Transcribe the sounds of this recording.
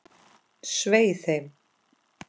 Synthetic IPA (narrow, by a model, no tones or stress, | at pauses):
sveːjθhejm